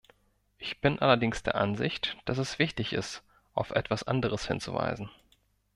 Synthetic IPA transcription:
ʔɪçb̥ɪnʔalɐdɪŋsd̥eːɐʔanzɪçtd̥asɛsv̥ɪçtɪçɪ̰st | ʔaʊfʔɛ̰tv̥asʔa̰ndəʁ̞əshɪnt͡sṵva̰ɪzn̩

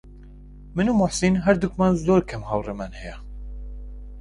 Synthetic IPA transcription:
mɨnuːmʊħsinɦɛɾd̪ukmanzzoːɾkʰɛmhɑwrɛmɛnhɛjɛ

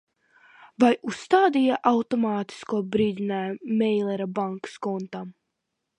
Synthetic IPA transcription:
vajusːt̪aːd̪ijaʔawt̪ɔmɑːt̪i̥skuɔbɾiːd̪ʲinaːjmɛjlˠɛɾabaŋkskɔnt̪am

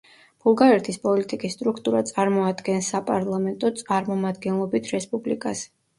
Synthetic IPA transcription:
b̥ulˠɡaɾɛɾt̪ʰispʼɔlit̪ʼikʼisːt̪ʼɾukʰt̪ʼuɾat̪sʼaɾmɔad̪ɡɛnsapʼaɾlˠamɛnt̪ʼɔt̪sʼaɾmɔmad̪ɡɛnlˠɔbit̪ʰɾɛspʼublḭkʼas

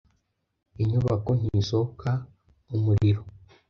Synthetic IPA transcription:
iɲuβako̞n̥hisokʰa | umuɾiɾo

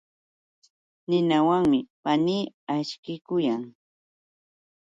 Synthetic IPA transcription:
nɪnawaŋmɪpaniː | aʃkɪkʊjaŋ

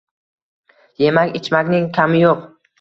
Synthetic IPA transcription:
je̞makʲɪt͡ʃmakʲnɪŋkʲʰamɪjoq

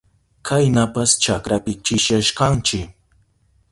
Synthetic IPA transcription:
kʰajnapast͡ʃakɾapɪt͡ʃɪʃjaʃkɑnt͡ʃɪk

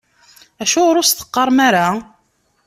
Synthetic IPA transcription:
æʃʊʁɾʊsθə̥qːɑɾˤmaɾa

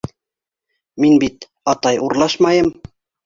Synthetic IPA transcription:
minbit̪ | ɑt̪ɑjʔuɾlˠɑʃmɑjɤm

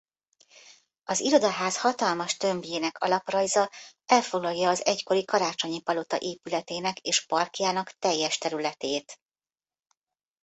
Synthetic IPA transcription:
ɒziɾo̞d̪ɒɦaːshɒt̪ɒlmɒʃt̪ø̞mbjeːnɛkʰɒ̰lɒprɒjzɒɛlfo̞ɡlɒjːɒːzɛcko̞ɾikɒɾaːt͡ʃoɲipɒlo̞t̪ɒ̰ʔeːpylɛt̪eːnɛkeːʃpɒrkjaːnɒkt̪ɛjːɛʃt̪ɛɾylɛt̪eːt̪

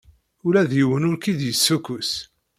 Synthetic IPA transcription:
ʊlæðjəwənʊɾkid̪jəsːukːʊs

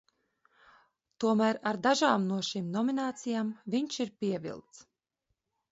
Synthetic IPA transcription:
t̪uɔmæːɾaɾd̪aʒaːmnuɔʃimnɔminaːt̪sijaːmviɲʃiɾpʲiɛvḭlˠt̪s

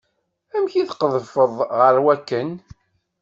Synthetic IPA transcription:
æmçiðqəðˤəfəðˤʁəɾwækːən

